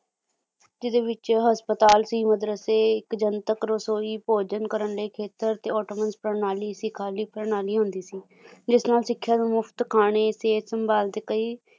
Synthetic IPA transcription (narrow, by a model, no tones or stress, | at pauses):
d͡ʒɪd̪eːʋɪt͡ʃɦəspət̪aːlsiːməd̪ɾəseːɪkd͡ʒənt̪əkɾosoːiːpoːd͡ʒənkəɾəɳləːkʰeːt̪əɾt̪eːɔːʈoːmənspɾənaːliːsikʰaːliːpɾənaːliːɦʊ̃nd̪iːsiː | d͡ʒɪsnaːlsɪkʰːjaːd̪õːmʊpʰt̪kʰaːɽ̃eːseːt̪səmbaːlt̪eːkəiː